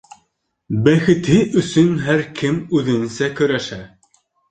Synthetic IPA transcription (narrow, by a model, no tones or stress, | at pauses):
bæxɘ̆t̪ɘʔɵ̆sɵnɦæɾkʰɘmʉðɘ̆nɘsækɵ̆ɾæʃæ